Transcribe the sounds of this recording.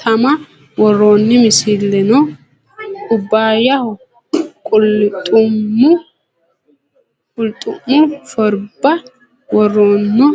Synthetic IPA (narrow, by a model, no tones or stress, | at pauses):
t̪ʰɐmɐ | wɔrːoːnːɪmɪsɪlːɛnɔ | ʊbːaːjɐhɔ | kʼʊlt̪ʼʊmːʊ | kʼʊlt̪ʼʊmːʊfɔɾbɐ | wɔrːoːnːɔ